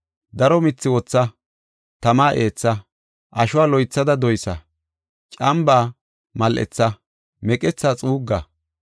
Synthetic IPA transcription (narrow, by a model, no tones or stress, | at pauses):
d̪ɐɾɔmɪt͡sːɪwɔt͡sːɐ | t̪ɐmaːʔeːt͡sːɐ | ʔɐʃʊwaːlɔjt͡sːɐd̪ɐd̪ɔjsɐ | t͡ʃʼɐmbaː | mɐlʔɛ̰t͡sːɐ | mɛkʼɛt͡sːaːt͡sʼuːɡːa